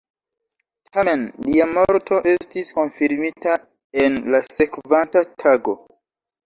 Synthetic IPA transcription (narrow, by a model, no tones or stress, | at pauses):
tʰame̞nliamo̞ɾtʰo̞ʔe̞stisko̞nfiɾmita | e̞nlase̞kvantatʰaɡo̞